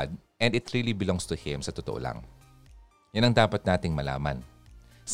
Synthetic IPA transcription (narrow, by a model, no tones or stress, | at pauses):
d̪̚ʔɛnd̪ɪt̪ɹilibɪlɔ̃ŋst̪ʊhɪ̃msɐt̪ʊt̪oʔo̰lʔa̰ŋ | jɐnɐŋd̪aːpɐt̪̚naːt̪ɪŋmɐla̰ːmɐ̰n | s